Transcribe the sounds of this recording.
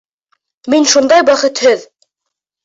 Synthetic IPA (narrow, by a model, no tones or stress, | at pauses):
minʃund̪ɑjwæχɘt̪hɵð